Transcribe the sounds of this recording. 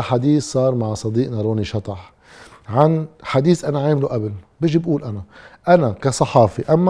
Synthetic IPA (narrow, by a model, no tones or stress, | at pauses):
ħad̪iːssˤɑːɾˤmaʕsˤɑd̪iːʔnaɾˤoːniʃɑt̪ˤɑħ | ʕanħad̪iːsʔanaʕaːmluʔabɪlbɪʒibʔuːlʔanaʔanakasˤɑħɑːfiʔamːa